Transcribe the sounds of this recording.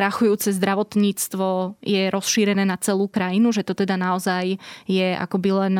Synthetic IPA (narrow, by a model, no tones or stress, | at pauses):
ɾaxujuːt͡sɛzd̪ɾaʋɔt̪ɲiːt͡st̪ʋɔjɛɾɔsʃiːɾɛnɛːnat͡sɛluːkɾajinuʒɛt̪ɔt̪ɛd̪anaɔzajjɛʔa̰kɔbilɛn